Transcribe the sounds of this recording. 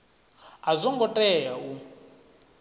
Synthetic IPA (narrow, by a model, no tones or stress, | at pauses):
azʷɔŋɡɔtʼɛjau